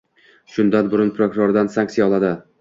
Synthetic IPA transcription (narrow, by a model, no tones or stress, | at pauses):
ʃʊnd̪anbʊɾʊnpʰɾokʊɾoɾd̪ansaŋksijaɒlˠad̪ɪ